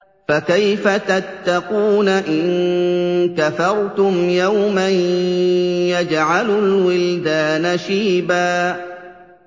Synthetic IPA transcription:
fakajfat̪at̪ːɑquːnaʔɪn | kafɑɾˤt̪ʊmjawman | jad͡ʒʕalʊlwɪld̪aːnaʃiːbaː

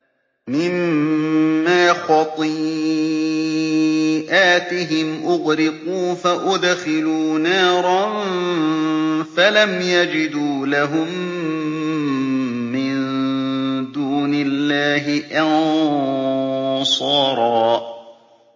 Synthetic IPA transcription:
mɪmː | aːxɑt̪ˤɨ | ʔaːt̪ɪɦɪmʔʊɣɾɪquːfaʔʊd̪xɪluːnaːɾˤɑn | falamjad͡ʒɪd̪uːlaɦʊm | ɪn | d̪uːnɪlːaːɦɪʔɑn | sˤɑːɾˤɑː

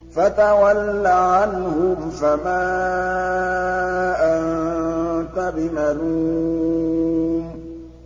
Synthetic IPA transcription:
fat̪awalːaʕanhʊmfamaː | ʔan | t̪abɪmaɾu | m

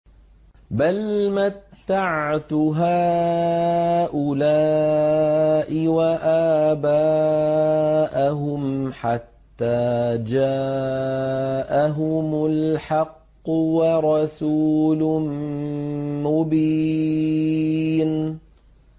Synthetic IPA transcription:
balmat̪ːaʕt̪ɦaː | ʔʊla | ʔɪwaʔaːbaː | ʔaɦʊmħat̪ːaːd͡ʒa | ʔaɦʊmʊlħɑqːʊwɑɾˤɑsuːl | mʊbiː | n

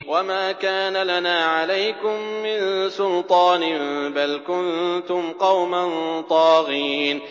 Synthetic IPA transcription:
wamaːkaːnalanaːʕalajkʊmːɪnsʊlt̪ˤɑːnbalkʊnt̪ʊmqɑwmant̪ˤɑːɣiːn

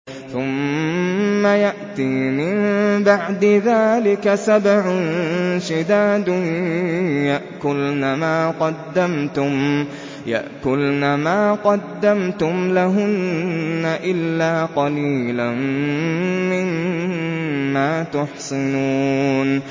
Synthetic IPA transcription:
θʊmː | ajaʔt̪iːmɪmbaʕd̪ɪðaːlɪkasabʕʊnʃɪd̪aːd̪ʊ | jaʔkʊlnamaːqɑd̪ːamt̪ʊm | ja̰ʔkʊlnamaːqɑd̪ːamt̪ʊmlaɦʊnːaʔɪlːaːqɑliːlan | mɪn | aːt̪ʊħsɪnuːn

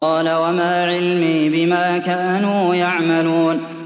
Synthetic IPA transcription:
ɑːlawamaːʕɪlmiːbɪmaːkaːnuːjaʕmaluːn

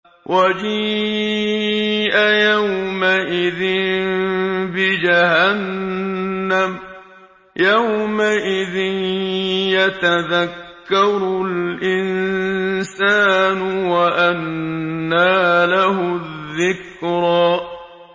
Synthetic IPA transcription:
wʔad͡ʒiː | ʔajawmaʔɪðɪnnbɪd͡ʒahanː | am | jawmaʔɪðɪnjat̪aðakːɑɾˤʊlʔɪn | saːnʊwaʔanː | aːlaɦʊððːɪk | ɾɑː

